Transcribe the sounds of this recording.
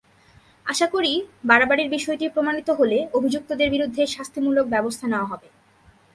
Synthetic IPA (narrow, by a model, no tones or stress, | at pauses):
aʃakoɾibaɾabaɽiɾbiʃɔeʈipɾomanit̪oɦoleobʱid͡ʑuk̚t̪od̪eɾbiɾud̪ʱːeʃast̪ʰimulok̚bɛbost̪ʰaneoaɦɔbe